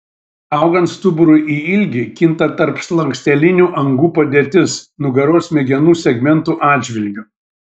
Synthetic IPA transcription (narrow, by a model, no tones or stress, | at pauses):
ɐˑʊɡɐnt̪st̪ʊbʊɾʊɪʔiːɪlʲɡʲɪkʲɪnˑt̪ɐt̪ɐɾpslˠɐŋʲksʲt̪ʲɛlʲɪnʲuːʔɐŋɡuːpɐd̪ʲeːt̪ʲɪsnʊɡɐɾoːsmʲɛɡʲɛnuːsʲɛɡmʲɛnt̪uːʔɑːd̪ʲd͡ʒʲʋʲɪlʲɡʲʊ